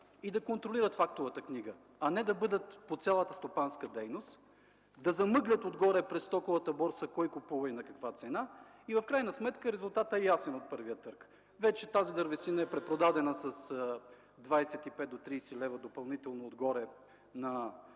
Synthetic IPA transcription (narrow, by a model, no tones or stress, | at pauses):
id̪ɐkont̪ɾoliɾət̪fak̚t̪ovət̪əkniɡə | ɐnɛd̪ɐbɤd̪ət̪pot̪sʲjalˠət̪əst̪opanskəd̪ɛjnost̪ | d̪ɐzɐmɤɡlʲət̪od̪ɡɔɾɛpɾɛst̪ɔkovət̪əbɔɾsəkɔjkʊpuvɐinɐkɐkvat̪sɛna | ivɐfkɾajnəsmɛt̪kəɾɛzʊlˠt̪at̪ɛɛjasɛnot̪̚pɤɾvijət̪ɤɾk | vɛt͡ʃɛt̪azid̪əɾvɛsinəɛpɾɛpɾod̪ad̪ɛnəsɐs | d̪vajsɛt̪ipɛt̪̚d̪ot̪ɾijsɛlɛvəd̪opɐlˠnit̪ɛlˠnoːd̪ɡɔɾɛ | nɐ